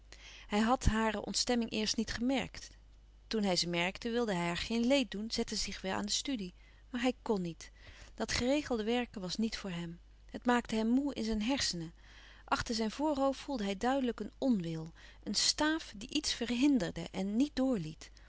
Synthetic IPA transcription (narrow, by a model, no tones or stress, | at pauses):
hɛjɦɑtɦaːɹəʔɔ̰ntstɛmɪŋʔɪːɹstnitχəmɛ̰ɹkt | tunɦɛjzəmɛɹktəʋɪlˠdəɦɛjaɹχejnlejt̚dunz̥ɛtəzɪχʋɛlʔa̰ːndəstydi | maːɹɦɛjkɔnːit | d̥ɑtχərejχəlˠdəʋɛɹkʋɑsnitfʊːɹɦɛm | ɦətmaːktəɦɛmːuɪ̰nzɛjnɦɛɹsənə | ʔɑχtəɹzɛjnvʊːɹɦowffulˠdəɦɛjdœɥdələkənɔnʋɪlˠʔənstaːfdiʔitsfərɦɪndəɹdə̰ʔɛnːit̚dʊːɹlit